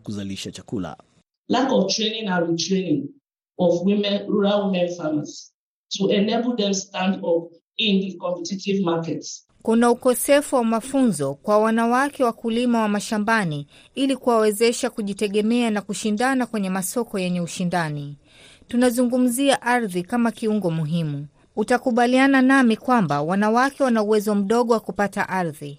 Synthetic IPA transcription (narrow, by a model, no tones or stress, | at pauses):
kuzaliʃat͡ʃakṵla̰ | lakɔftɹenĩŋãnɹitɹenĩŋ | ɔvwimɛ̃nɹuɹalhɛfamas | tuɛnebəl̩ˠðɛ̃mstãndɔp | ĩndikɔ̃mpɛtitivmakɛts | kunaukɔsɛfuwamafunzɔkwawanawakʰɛwakulimawamaʃambani | ilikuwawɛzɛʃakuʄitɛɠɛmɛanakuʃindanakwɛɲɛmasɔkɔjɛɲɛuʃindani | tunazuŋɡum̩ziaʔaɾðikamakiuŋɡɔmuɦimu | utakuɓaliananamikwambawanawakɛwanauwɛzɔm̩ɗɔɠɔwakupata̰ʔaɾði